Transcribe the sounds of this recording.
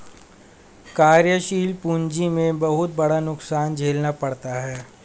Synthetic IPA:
kaːɾjəʃiːlpuːɲd͡ʒimẽbɐɦʊt̪̚bɐɽanʊksaːnd͡ʒʱeːlnapɐɽt̪aɦɛː

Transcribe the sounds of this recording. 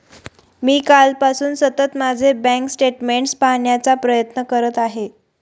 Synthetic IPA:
miːkalpasuːnsət̪ət̪mad͡zʱebɛ̃ŋksʈeʈmeɳʈspaɦɳjat͡sapɾəjət̪nəkəɾət̪aɦe

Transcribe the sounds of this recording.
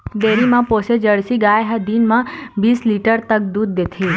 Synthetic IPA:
d̪eːɾimãpoːsed͡ʒɐɽsiɡaːjɦɐd̪iːnmãbiːsliːʈəɾt̪ɐk̚d̪uːd̪ːeːt̪ʰeː

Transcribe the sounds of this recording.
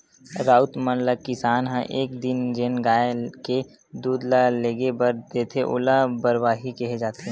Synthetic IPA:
ɾaːʊt̪mənləkɪsaːnɦə̃ʔeːkd̪ɪnd͡ʒeːnɡaːke | d̪uːd̪laleːɡebəɾd̪eːt̪ʰeʔʊ̰labəɾwaːɦikeɦed͡ʒaːt̪eɦɛ̃ː

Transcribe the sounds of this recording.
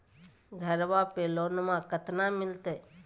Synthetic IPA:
ɡʱəɾʋapeːlonmãkət̪namɪlt̪e

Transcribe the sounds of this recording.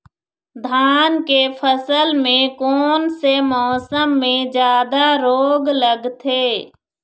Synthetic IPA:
d̪ʱaːnkepʰəsəlmẽkɔːnsemɔːsəmːẽd͡ʒjaːd̪aɾoːɡləɡt̪ʰeː

